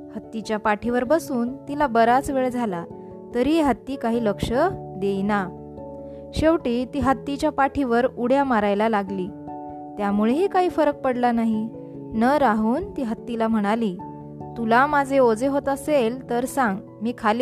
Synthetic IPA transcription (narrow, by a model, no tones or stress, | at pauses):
hət̪ːit͡ɕjapaʈʰiʋəɾbəsuːnt̪ilabəɾat͡sʋeɭd͡zʱala | t̪əɾiːeɦət̪ːiːkaɦiːləkʂəd̪ejna | ɕeʋʈiːt̪iːɦət̪ːit͡ɕjapaʈʰiʋəɾuɽ̤jamaɾajlalaɡliː | t̪jamuɭeɦiːkaɦiːfəɾək̚pəɽlanaɦi | nəɾaɦuːnt̪iːɦət̪ːilam̤əɽ̃aliː | t̪ulamad͡zʱeod͡zeɦot̪əselt̪əɾsaŋɡ | miːkʰali